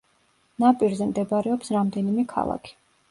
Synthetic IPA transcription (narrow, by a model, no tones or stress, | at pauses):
napʼiɾzɛmd̪ɛbaɾɛɔpsɾamd̪ɛnimɛkʰa̰lˠa̰kʰi̥